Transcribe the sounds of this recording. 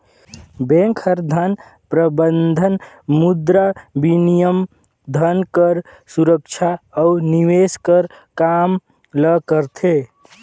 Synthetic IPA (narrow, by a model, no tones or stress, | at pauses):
bẽŋkʰəɾd̪ʱən | pɾəbənd̪ʱən | mud̪ɾabinijəm | d̪ʱənkəɾ | suɾəkt͡ʃʰaːniweskəɾ | kam | ləkəɾt̪ʰe